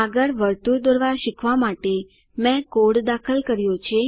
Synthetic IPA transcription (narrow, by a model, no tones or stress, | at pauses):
aɡəɾʋəɾt̪uɾd̪oɾʋaʃikʰʋamaʈe | mɛ̃koɽd̪akʰəlkəɾjot͡ʃʰe